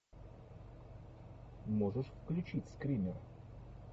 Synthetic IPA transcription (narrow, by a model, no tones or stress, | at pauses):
moʐəʂfklʲʉt͡ɕitʲskɾʲimʲɪr